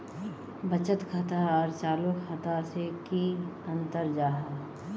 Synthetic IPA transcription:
bət͡ʃət̪kʰət̪aɔːɾt͡ʃaːlukʰət̪asekiə̃nt̪əɾd͡ʒaːɦa

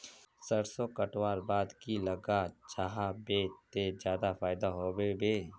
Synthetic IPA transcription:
səɾsokəʈwaːɾbaːd̪kilɐɡat͡ʃaɦabeːt̪ed͡ʒjaːd̪afaːɪd̪aɦoːbebeː

